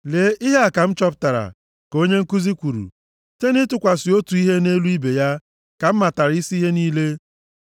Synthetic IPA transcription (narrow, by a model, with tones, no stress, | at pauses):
le˨˦ʔi˦ɦe˦a˨ka˨m̩˦t͡ʃɔ˦p̚ta˨ɾa̰˨ | ko˦ɲe˦ŋ̩˦ku˦zi˦kʷu˨ɾṵ˨ | te˦nɪ˦tʊ˨kʷa˨sɪ˨o˦tu˨i˦ɦe˦ne˦lu˦i˦be˨ja˦ | ka˨m̩˦ma˨ta˨ɾi˦si˦i˦ɦe˦niː˦le˦